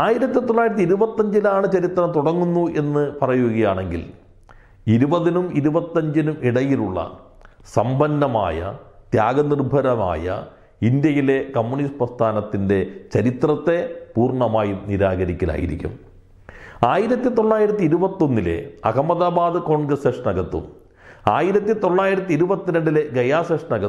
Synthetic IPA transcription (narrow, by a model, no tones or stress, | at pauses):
aːjiɾɐt̪ːit̪o̞ɭːaːjiɾɐt̪̬ːiɾubɐt̪ːɐɲd͡ʑilaːɳɨt͡ɕɐɾit̪rɐmt̪uɽɐŋːunːuʔe̞nːɨpɐrɐjouɣɐjaːɳe̞ŋɡḭl | iɾubɐðinumiɾubɐt̪ːɐɲd͡ʑinumiɽɐjiluɭːɐ̰ | sɐmbɐnːɐma̰ːjɐ̰t̪jaːɡɐnirbʱɐɾɐma̰ːjɐ̰ | ind̪jɐjile̞kɐmːunisprɐst̪ʰaːnɐt̪ːinde̞t͡ɕɐɾit̪rɐt̪ːe̞puːrɳɐmaːjumniɾaːɣɐɾikʲːɐla̰ːjḭɾḭkʲːṵm | aːjiɾɐt̪ːit̪o̞ɭːaːjiɾɐt̪ːiiɾubɐt̪ːo̞nːilḛɐɣɐmːɐðaːbaːd̪ɨko̞ːɳɡrɐseːʂɐnɐɡɐt̪ːṵm | aːjiɾɐt̪ːit̪o̞ɭːaːjiɾɐt̪̬ːiɾubɐt̪ːinɐɳɖileɡɐjaːseʂɐnɐɡɐ